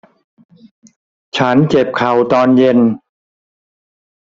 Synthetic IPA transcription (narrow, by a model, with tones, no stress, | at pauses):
t͡ɕʰa˦˥nt͡ɕe˨˩p̚kʰa˨˩wt̪ɔː˧nje˧n